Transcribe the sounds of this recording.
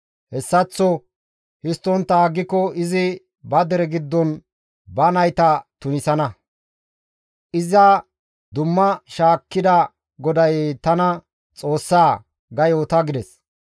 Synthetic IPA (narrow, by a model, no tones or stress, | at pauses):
hɛsːɐt͡sːɔ | hɪst̪ːɔnt̪ːɐaːɡːɪkɔɪzɪ | bɐd̪ɛɾɛɡɪd̪ːɔn | bɐnɐjt̪ɐt̪ʊnɪsɐnɐ | ʔɪzɐ | d̪ʊmːɐʃaːkːɪd̪ɐ | ɡɔd̪ɐjt̪ɐnɐ | t͡sʼo̞ːsːaː | ɡɐjoːt̪ɐɡɪd̪ɛs